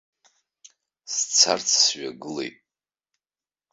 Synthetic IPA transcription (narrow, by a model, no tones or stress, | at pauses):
st͡sʰart͡sʰsɥaɡɨlḛjtʼ